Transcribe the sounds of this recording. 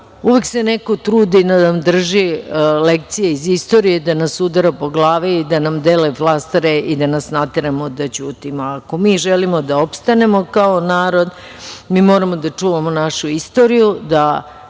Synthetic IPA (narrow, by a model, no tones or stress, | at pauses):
uʋeksene̞ko̞t̪ɾuːd̪inanamd̪r̩ʒilek̚t̪sijeizist̪o̞ɾijed̪anasud̪aɾapo̞ɡlˠaːʋiid̪anamd̪eːleflˠast̪aɾeʔid̪anasnat̪eɾamod̪at͡ɕuːt̪imoako̞miːʒelimo̞d̪ao̞pst̪ane̞mo̞kaonaːɾo̞d̪ | miːmo̞ːɾamo̞d̪at͡ʂuːʋamonaʃuist̪o̞ɾijud̪a